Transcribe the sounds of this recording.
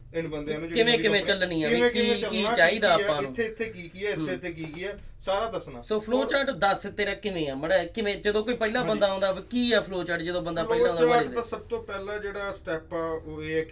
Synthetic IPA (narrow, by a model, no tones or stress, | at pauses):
ɪnbənd̪eãnũːkɪmẽːkɪmẽːt͡ʃəlnĩːɛːmẽkiːiːt͡ʃaːiːd̪aːaːpːãːnɪũːeːɪt̪ʰːeːkiːkɪɛːɪt̪ʰːeːɪt̪ʰːeːk̬iːkɪɛː | saːɾaːd̪əsnaːsoːpʰloːt͡ʃaːʈd̪əsɪt̪ːeːɾɛːkɪmẽːɛːməɽɛːkɪʋẽːd͡ʒəd̪õːkoːiːpəilaːbənd̪aːõːnd̪aːʋkiːɛːpʰloːt͡ʃaːʈd͡ʒəd̪õːbənd̪aːpəilaːõnd̪amaɽeːsasəb̚t̪õːpɛːlãːd͡ʒeːɽaːsʈɛːpːoeː